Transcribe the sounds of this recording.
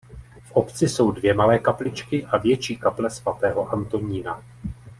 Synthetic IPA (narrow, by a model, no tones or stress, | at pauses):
fʔo̞pt͡sɪso̞wdvjɛmalɛːkaplɪt͡ʃkɪʔavjɛt͡ʃiːkaplɛsvat̪ɛːɦo̞ʔant̪o̞ɲiːna